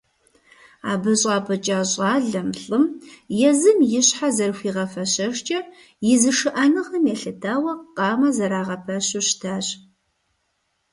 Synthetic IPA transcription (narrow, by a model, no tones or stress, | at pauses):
a̰ːbɐɕʼɑːpʰɐt͡ʃʼaːɕʼɑːɮɐmɬʼɨmjɛzɨmjɪɕħazɐrxʷiːʁɐfɐɕɐʂt͡ʃʼɐ | jɪzɨʂɨʔɐnɨʁɐmjɛɬɨtʰaːwɐqʼɑːmɐzɐɾaːʁɐpʰɐɕʊɕtʰaːɕʼ